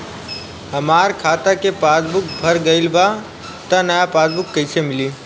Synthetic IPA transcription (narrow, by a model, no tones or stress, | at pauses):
ɦəmaːɾkʰaːt̪akepaːsbʊk̚bʱəɾɡəɪlba | t̪anəjapaːsbʊkːəɪsemɪliː